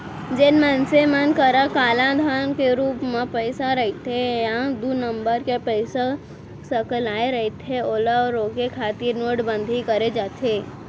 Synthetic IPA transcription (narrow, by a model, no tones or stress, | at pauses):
d͡ʒenmənsemənkəɾakaːlãd̪ʱankeɾuːpmẽpəɪsaɾəit̪ʰejãd̪unə̃mbəɾkepəɪsa | səklaːeɾɐɦit̪ʰeoːlaɔɾːoːkekʰaːt̪ɪɾnoːʈbə̃nd̪ʱikəɾed͡ʒaːt̪ʰeː